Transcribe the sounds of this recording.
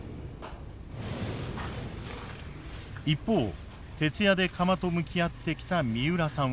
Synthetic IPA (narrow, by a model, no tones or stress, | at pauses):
ipːo̞ː | t̪e̞t͡sɨjad̪e̞kʰamat̪o̞mɯ̟kʲiat̪ːe̞kʲi̥t̪amʲiɯ̟ɾasã